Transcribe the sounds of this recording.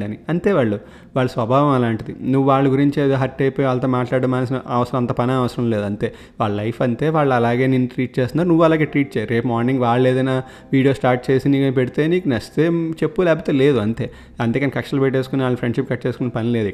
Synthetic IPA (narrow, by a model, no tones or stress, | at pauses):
ɐniɐnt̪e̞ːʋaːɭːu | ʋaːɭːɐsʋɐbʱaːʋɐmɐlaːɳʈid̪inuʋːuʋaːɭːɐɡuɾiɲt͡ʃeːd̪oːɦɐʈːejpoːjiʋaːɭɐt̪oːmaːʈlaːɽɐmaːnɐs̬inɐʋɐsɐɾɐ̃mɐnt̪ɐpɐniɐʋɐsɐɾɐmle̞ːd̪uɐnt̪e̞ː | ʋaːɭːɐlɐjpʰɐnt̪e̞ːʋaːɭːuɐlaːɡe̞ːninːuʈɾiːʈ̚t͡ʃeːst̪naːɾunuʋːuɐlaːɡe̞ːʈɾiːʈ̚t͡ʃɛjaːɾuɾeːpmaːɾniŋɡʋaːɭeːd̪ɐnaː | ʋiːɽijo̞ːsʈaːɾʈ̚t͡ʃe̞ːsiniːkɐnipeɽit̪eniːkunɐst̪eːt͡ʃe̞pːulɛːbut̪eːle̞ːd̪uɐnt̪e̞ː | ɐnt̪ekɐnikɐkʂɐlɐpeʈ̬ːeːsu̥kuniaːɭupɾeɳɖʂipkɐʈːt͡ʃe̞ːsukunɐpɐnile̞ːd̪i